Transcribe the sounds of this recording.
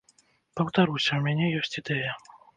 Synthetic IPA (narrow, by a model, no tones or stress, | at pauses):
pɐwt̪aɾusʲɐwmʲanʲɛjɔsʲt͡sʲid̪ɛjɐ